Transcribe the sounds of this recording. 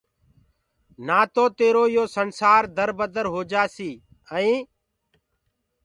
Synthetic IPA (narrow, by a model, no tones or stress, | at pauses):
naːt̪oːt̪eːɾoːjoːsənsaːɾd̪əɾbəd̪əɾɦoːd͡ʒaːsiː | əĩː